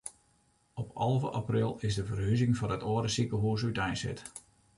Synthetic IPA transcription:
ɔpʰɑ̰lˠvəʔaprɪlˠɪzdəvərɦyzɪŋvɔrətoːəɾəsikəɦuːs̬ytɛjnsɪ̰t

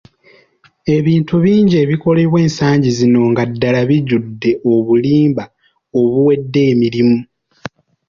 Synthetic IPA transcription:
e̞βiːntuβiːɲɟie̞ːβiko̞le̞βwe̞ːnsaːɲɟizino̞ŋɡadːalaβiɟudːe̞ʔo̞βuliːmba | o̞βuwe̞dːe̞ːmiɾimu

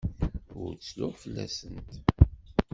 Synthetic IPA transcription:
ʊɾt͡sːlʊʁfəlːæ̰sənt̪

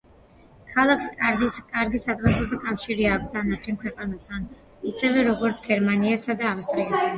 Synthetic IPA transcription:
kʰalˠakʰskʼaɾikʼaɾɡisat̪ʼvasɔt̪ʰɔkʼafʃiɾiak̚ʰt̪̚ʰd̪anaɾt͡ʃʰɛnkʰwɛqʼanast̪ʰan | isɛvɛɾɔɡɔɾt̪sʰɡ̥ɛɾmaniasad̪aːfst̪ʼɾiast̪ʰnan

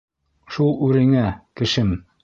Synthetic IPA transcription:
ʃulˠʉɾɘ̆ŋækɘ̆ʃɘm

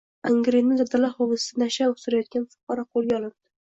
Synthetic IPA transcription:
aŋɡɾinɪzaɾd̪alaɾχɒvɨsɪ̥sɪnaʃaosʊɾajɒt̪̚kʲanfʊ̥qʰɑɾɒqʰolˠɡʲaɒlˠɪnd̪̥ɪ

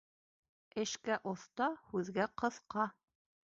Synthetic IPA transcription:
ɘ̆ʃkæʔoθt̪ɑhʉðɡæqɤ̆θqɑ

